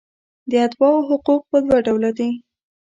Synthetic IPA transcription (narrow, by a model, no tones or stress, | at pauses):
d̪əat̪wɑwoɦʊquq̚pəd̪waɖawlad̪e